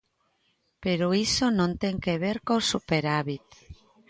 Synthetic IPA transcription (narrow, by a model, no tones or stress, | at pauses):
peɾoisonõnt̪eŋkeβ̞eɾkosupeɾaβit̪